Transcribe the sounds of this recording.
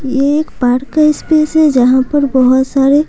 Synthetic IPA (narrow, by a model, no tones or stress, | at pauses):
jeeːkpaːɾkaɪspeːsɦɛd͡ʒɐɦãpɐɾbɔɦʊt̪saːɾe